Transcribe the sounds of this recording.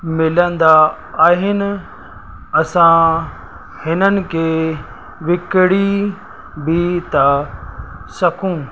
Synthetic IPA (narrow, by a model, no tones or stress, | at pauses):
mɪlə̃nd̪a | aːɦɪnɪ̆ | ɐsã | hɪnənɪ̆kʰeː | ʋɪkɪɽi | bit̪ɐ | sɐkʰũː